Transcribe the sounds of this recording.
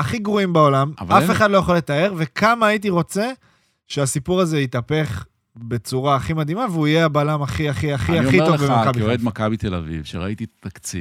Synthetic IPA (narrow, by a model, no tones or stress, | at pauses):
aχiɡʁuimbao̞lamvaafeχad̪lojaχole̞t̪ae̞ʁve̞kʰamaːit̬iʁo̞t͡se̞ | ʃeasipuʁaze̞it̪ape̞χ | be̞t͡suʁaːχimad̪imaveuijeabalamaχiaχiaχiaiitovbemaakabioed̪makabit̪ela̰vḭvʃeʁa̰it̪it̪akt͡sḭ